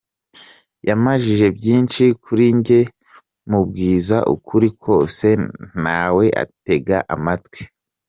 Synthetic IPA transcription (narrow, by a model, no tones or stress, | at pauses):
jamaʒiʒe̞bjiːnʃikʰuɾiɲɟe̞ | mub̚ɡiːzaʔṵkʰuɾikʰo̞ːse̞n̥aːwe̞ʔa̰te̞ɡaʔa̰matwe̥